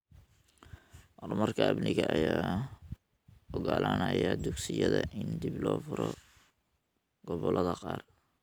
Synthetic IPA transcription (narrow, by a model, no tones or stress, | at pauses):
ʔɔrmɐrkʰɐɐbnɪɣɐɐjaː | ɔɣalʔanɐjɐd̪ʊɡsɪjɐðɐʔɪnd̪ɪblɔːfʊɾɔ | ɡɔβɔlʔɐðɐqɑːr